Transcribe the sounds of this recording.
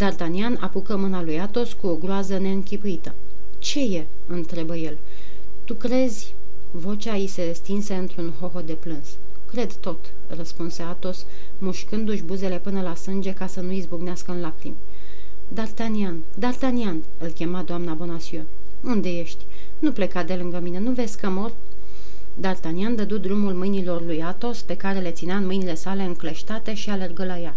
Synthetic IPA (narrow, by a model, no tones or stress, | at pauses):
d̪art̪aniana̰pukəmɨnalujat̪o̞skuoɡɾoazəne̞ɨŋkʲipuit̪ə | t͡ʃe̞je̞ | ɨnt̪ɾe̞bəje̞l | t̪ukɾe̞zʲ | vo̞t͡ʃajise̞est̪inse̞ɨnt̪ɾunɦo̞ɦo̞d̪e̞plɨns | kɾe̞d̪t̪o̞t̪ | rəspunse̞at̪o̞s | muʃkɨnd̪uʃ̬ʲbuze̞le̞pɨnəlasɨnd͡ʒe̞kasənuizbuɡneaskəɨnlakɾḭme | d̪art̪anian | d̪art̪anian | ɨlkʲe̞mad̪oamnabo̞nasio | und̪e̞je̞ʃt̪ʲ | nuple̞kad̪e̞lɨŋɡəmine̞nuve̞skəmor | d̪art̪aniand̪əd̪ud̪ɾumulmɨjnilo̞rlujat̪o̞spe̞kaɾe̞le̞t̪sineaɨnmɨjnile̞sale̞ɨŋkleʃt̪at̪e̞ʃiale̞rɡəlaja